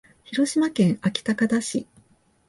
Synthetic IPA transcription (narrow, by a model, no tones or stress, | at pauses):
çiɾo̞ɕimakẽ̞ɰ̃akʲi̥t̪akad̪aɕi